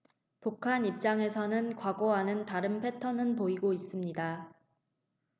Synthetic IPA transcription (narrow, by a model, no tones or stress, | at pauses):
pukʰanip̚t͡ɕ͈aŋe̞sʰʌnɯnkwaɡoɦanɯntaɾɯnpʰe̞tʰʌnɯnpoiɡois͈ɯmɲida